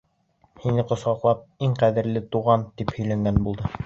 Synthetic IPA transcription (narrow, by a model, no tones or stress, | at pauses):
hinɘqŏsχɑqlˠɑp̚iŋqæðɘ̆ɾlɘt̪uʁɑnt̪iphɵ̆jlæŋɡænbulˠd̪ɤ